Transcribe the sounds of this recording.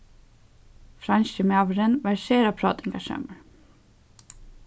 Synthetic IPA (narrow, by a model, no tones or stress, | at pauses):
fɾɑnʃəmɑːʋəɾənʋæɹʃeːɾɑpʰɾɑ̰ːt̪ɪŋɡɑʃḛːməɹ